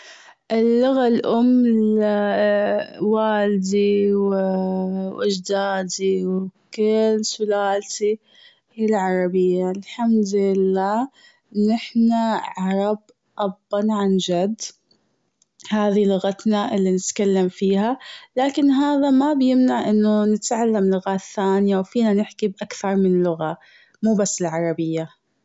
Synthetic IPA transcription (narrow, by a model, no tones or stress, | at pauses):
ʔɪlːʊɣalʔʊmː | waːld̪iw | ʔɪ̰d͡ʒd̪aːd̪iwkɪlːsʊlaːlt̪i | ɪlʕɑɾˤɑbɪjːalħamd̪ɪlːaː | nɪħnaʕɑɾˤɑb | ʔɑbːɑnʕand͡ʒad̪ː | haːðilʊɣat̪naʔɪlːinɪt̪kalːamfiːhalaːkɪnɦaːðamabjɪmnaʕʔɪnːʊnɪt̪ʕalːamlʊɣaːt̪θːaːnɪjawfiːnanɪħkibʔakθɑɾˤmɪnlːʊɣa | muːbasːɪlʕɑɾˤɑbɪjːa